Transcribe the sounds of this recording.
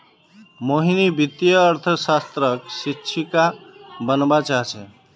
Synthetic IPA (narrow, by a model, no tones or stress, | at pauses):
moɦinibit̪jəːɾt̪ʰəsast̪ɾəksit͡ʃʰikabənbat͡ʃaɦt͡ʃʰɛ̃